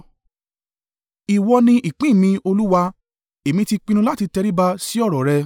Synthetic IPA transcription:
i˨wɔ˧nĩ˧ʔi˨k͡pĩ˦˨mĩ˧o˧lu˦wa˧ | e˨mĩ˧ti˧k͡pĩ˧ñũ˧la˦ti˧tɛ˧ɾi˦ba˧si˦ɔ˦˨ɾɔ˨ɾɛ˧˦

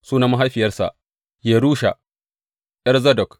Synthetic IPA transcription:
suː˦na˦ma˦ɦa˦jɸɪ˨jɐ˦rsa̰˨ʔ | je˨ɾuː˦ʃa̰˨ | ʔɛ˦ɾzɐ˦dɔ˨k

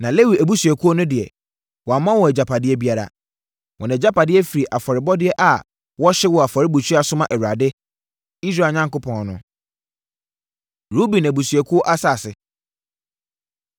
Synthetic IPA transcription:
nã˨le˦wi˨æ˨bu˦sɥɛ˨kʰu˦ɔ˦nʊ̃˦dɪ˨ɛ̰˨ | wɔ˨a˨mã˦wɔ˨ɛ˨d͡ʑa˨pʰa˨dɪ˦ɛ˦bi˦a˦ɾa̰˨ | wɔ˨nã˨ɛ˨d͡ʑa˦pa˨dɪ˦ɛ˦fi˨ɾi˨ʔa˨fɔ˨ɾɪ˨bɔ˦dɪ˦ɛ˦ʔa˨ | wɔ˦ɕɪ˦wɔ˨a˨fɔ˨ɾɪ˦bu˨t͡ɕʰᶣɥa˨sʊ˦mã˨ʔɛ˨ɥɾa˨dɪ˦ | i˦s̬ɾa˦˨ɲã˦ŋko˦pʰɔ̃˨nnʊ̃˦ | ɾu˦bĩ˨næ˨bu˨sɥɛ˨kʰu˦ɔ˦ʔa˦sa˦˨sɪ˨

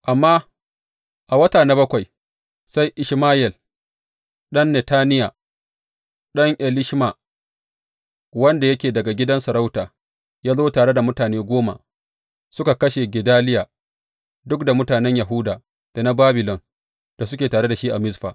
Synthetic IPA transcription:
ʔa˨mːaː˦ | ʔa˨wɐ˦taː˨na˦bɐ˦kʷa˨j | sa˦jʔɪ˨ʃmaː˦jɛ˨l | ɗɐ˦nːɛ˨taː˦nɪ˦ja˨ | ɗɐ˦ŋʔɛ˨lɪ˦ʃma˨ | wɐ˦nda˨jɐ˦kʲeː˨dɐ˨ɡa˨ɡʲɪ˦dɐ˦nsɐ˨ɾa˦wtaː˨ | jaː˦zoː˦taː˨ɽe˦da˨mʊ˦taː˨neː˦ɡʷoː˦ma̰˨ | sʊ˦ka˨kɐ˦ʃe˨ɡʲɪ˨daː˦lɪ˦jaː˨ | dʊ˦kda˨mʊ˦taː˨nɛ˦ɲja˨ɦʊ˦daː˨ | d̥a˨na˦baː˦bɪ˨lɔ˨n | d̥a˨sʊ˦kʲeː˨taː˨ɽe˦da˨ʃiː˦ʔa˨mɪ˦sɸa̰ː˨

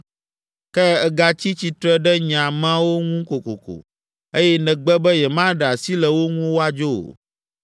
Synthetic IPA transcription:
kɛ˦ɛ˦ɡa˦t͡ɕi˦t͡ɕi˨t̪ɾɛ˦ɖɛ˦ɲã˨mã˦wo˦ŋũ˦ko˨ko̰˨ko̰˨ | e˦jɛ˦nɛ̃˨ɡ͡bɛ˦bɛ˦jɛ˨mã˦ɖɛ˨a˨si˦lɛ˨wo˦ŋũ˦wo˦a˦d͡ʒo˦o̰˨

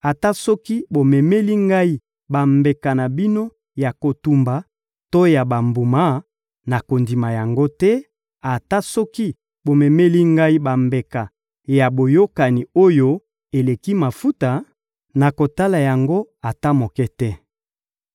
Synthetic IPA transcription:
a˨ta˦sɔ˦ki˦bo˨mɛ˨me˦li˦ŋɡa˦i˦ | ba˨mbe˨ka˨na˨bi˦no˦ | ja˨ko˨tu˨mba˨ | to˦ja˨ba˨mbu˨ma˦ | na˨ko˨ndi˨ma˨ja˨ŋɡo˦tɛ˦ | a˨ta˦sɔ˦ki˦ | bo˨mɛ˨me˦li˦ŋɡa˦i˦ba˨mbe˨ka˨ | ja˨bo˨jo˦ka˨ni˨o˦jo˦ | e˨le˨ki˦ma˨fu˦ta˨ | na˨ko˨ta˦la˨ja˨ŋɡo˦ | a˨ta˦mo˨kɛ˦tɛ˦

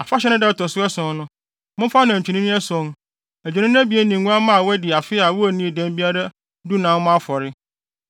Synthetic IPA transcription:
a˨fa˦ɕɛ˦nʊ̃˦dɛ˦˨tɔ˨sʊ˦ɛ˦sʊ̃˨˦nʊ̃˦ | mʊ̃˦fa˦nã˨ɲ̩˨t͡ɕʰᶣi˨nĩ˦nĩ˦ɛ˦sɔ̃˨n˦ | æ˨d͡ʑᶣu˨nɪ̃˦n˦æ̃˦bi˨˦e˦nĩ˨ɡũ˦a˦mã˦˨wɛ˦dɪ˨a˨fɪ˦a˨wʊ˦ɛ˨nĩ˦˨dɛ̃˦nbi˦a˦da˦ | du˦nã˦n˦mʊ̃˦a˦fɔ˨ɾɪ˦

